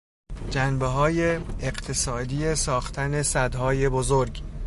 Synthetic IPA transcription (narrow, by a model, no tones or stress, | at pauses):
d͡ʒænbeɦɒːjeːɢt̪ʰesɒːd̪ijesɒːxt̪ʰæne̞sæd̪hɒːjebozoɾɡ